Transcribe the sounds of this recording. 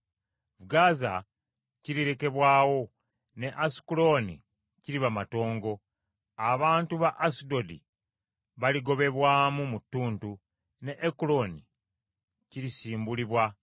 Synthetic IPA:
vuɡaza̰ | ciɾiɾe̞ke̞βwaːwo̞ | ne̞ʔasi̥kulo̞nḭ | ciɾiβamato̞ːŋɡo̞ | aβaːntuβaʔasido̞dḭ | βaliɡo̞βe̞βwaːmumutːuːntu | ne̞ʔekulo̞ni | ciɾisiːmbuliβwa

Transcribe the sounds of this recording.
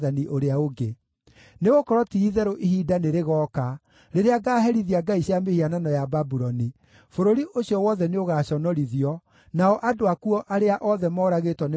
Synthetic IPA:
ðaniʔoɾeaoɡe | neɣokɔɾɔtiːðɛɾoʔihiːdaneɾeɣɔːka | ɾeɾeaɡaːɦɛɾiðiaɡaiɕjamehiananɔjababuɾɔni | foɾoɾiʔoɕiɔwɔðɛneoɣaːɕɔnɔɾiðiɔ | naɔʔadoakuɔʔaɾeaʔɔðɛmɔːɾaɣetwɔn

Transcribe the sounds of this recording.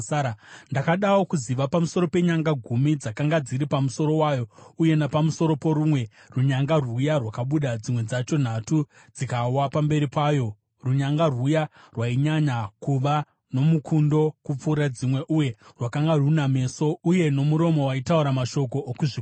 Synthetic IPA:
ndakaɗawokuziʋapamuso̞ɾo̞pe̞ɲaŋɡaɡʱumid͡zakaŋɡad͡ziɾipamuso̞ɾo̞waːjo̞uje̞napamuso̞ɾo̞po̞ɾumwe̞ | ruɲaŋɡarwujarwakaɓuɗad͡zimwe̞d͡zat͡ʃo̞n̤atu | d͡zikawapambe̞ɾipaːjo̞ | ruɲaŋɡaruja | rwaiɲaɲakuʋa | no̞mukundo̞kup͡fuɾad͡zimwe̞ʔuje̞rwakaŋɡaruname̞so̞uje̞no̞muɾo̞mo̞waitauɾamaʃo̞k̬o̞ʔːkuʐi

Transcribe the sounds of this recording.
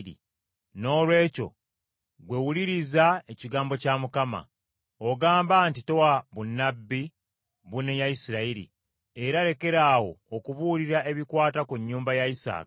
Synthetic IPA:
ḭ | no̞ːlwe̞ːco̞̰ | ɡwe̞wuliɾizae̞ciɡaːmbo̞camukama̰ | oɡaːmbantito̞waβunːabːi | βunejajisiɾaiɾḭ | e̞ɾaɾe̞ke̞ɾawo̞ːkuβuliɾae̞βikwaːtakuɲːuːmbajaisa̰ːkḁ

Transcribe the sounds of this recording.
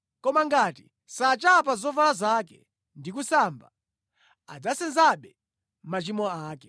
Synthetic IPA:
kɔmaŋɡati | sat͡ʃap̬azɔvalazakɛ | ndikusamba̰ | ad͡zasɛnzaɓɛ | mat͡ʃimɔaːkɛ

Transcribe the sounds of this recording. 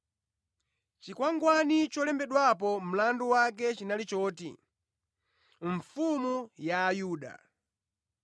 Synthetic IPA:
t͡ʃikwaŋɡwanit͡ʃɔlɛmbɛɗwapɔm̩landuwak̬ɛt͡ʃinalit͡ʃɔːtḭ | ɱ̩fumujaːjuːɗa̰

